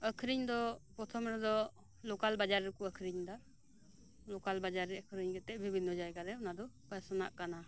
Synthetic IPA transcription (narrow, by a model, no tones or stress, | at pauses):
əkʰɾiɲd̪ɔpɾɔt̪ʰɔmɾɛd̪ɔ | lɔkalbad͡ʒaɾɛkɔəkʰɾiɲd̪a | lɔkalbad͡ʒaɾɛəkʰɾiɲɡɛt̪ɛʔbʱibʱinːɔd͡ʒajɡaɾɛunad̪ɔpasɔna̰ʔkana